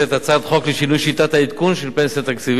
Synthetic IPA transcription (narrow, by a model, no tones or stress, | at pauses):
at̪at͡sad̪χo̞kliʃinujʃit̪at̪haid̪kunʃelpensiat̪akt͡siv